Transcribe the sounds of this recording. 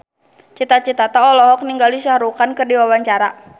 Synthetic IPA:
t͡ʃit̪at͡ʃit̪at̪aɔlɔɦɔk̚niŋɡaliʃaɾukankɨrdiwawaɲt͡ʃaɾa

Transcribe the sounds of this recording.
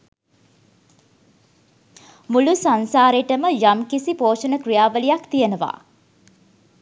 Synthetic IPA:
mulusansaːɾeʈəməjamkisipoːʂənəkrijaːʋəlijakt̪ijenəʋa̰ː

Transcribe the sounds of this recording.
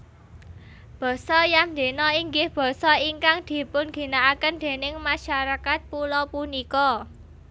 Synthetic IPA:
b̥ɔ̤sɔjamd̪e̤nɔiŋɡɪhb̥ɔ̤sɔiŋkaŋd̪̥i̤pʊnɡ̥i̤naakənd̪̥e̤nɪŋmaʃaɾakat̪̚pulɔpunikɔ

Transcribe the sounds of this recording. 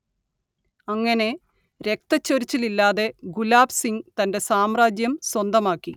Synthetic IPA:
ɐŋːɐne̞ | ɾe̞k̚t̪ɐt͡ɕːoɾit͡ɕːililːaːðe̞ɡulaːbsiŋt̪ɐnde̞saːmraːd͡ʑjɐmswɐnd̪ɐmaːkːi

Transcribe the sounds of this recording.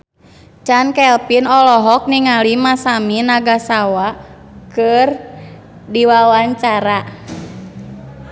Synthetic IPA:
t͡ʃankɛlpinɔlɔɦɔk̚niŋalimasaminaɡasawakɨr | diwawaɲt͡ʃaɾa

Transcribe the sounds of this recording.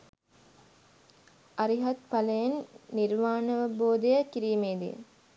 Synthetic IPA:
ɐɾiɦɐt̪̚pɐlɐjɐnːiɾmaːnɐʋɐboːd̪ejɐkiɾiːmeːd̪ḭj̰

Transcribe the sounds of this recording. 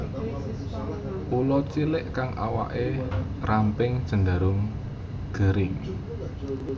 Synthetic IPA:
pulɔt͡ʃilɪʔkaŋʔa̰wa̰ʔe | rampɪŋd̥ʒ̥ə̤ŋda̤ɾʊŋ | ɡ̥ə̤ɾɪŋ

